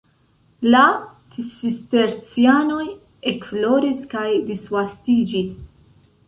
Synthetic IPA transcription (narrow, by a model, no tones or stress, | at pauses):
la | tisiste̞ɾt͡siano̞j | ekflo̞ɾiskajdisvastid͡ʒis